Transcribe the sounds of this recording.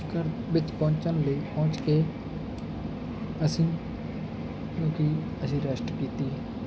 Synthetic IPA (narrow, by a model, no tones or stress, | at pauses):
kəɾʋɪt͡ʃpɔ̃ɦʊ̃ɲt͡ʃənləiːpɔ̃t͡ʃkeː | əsĩː | kjõːki | əsĩːɾəsʈkiːt̪iː